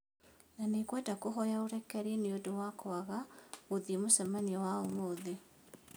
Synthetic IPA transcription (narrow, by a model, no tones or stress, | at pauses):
nanekwɛtakoɦɔjaoɾɛkɛɾeneodowakɔaɣaoðimosɛmaniɔwaomoðe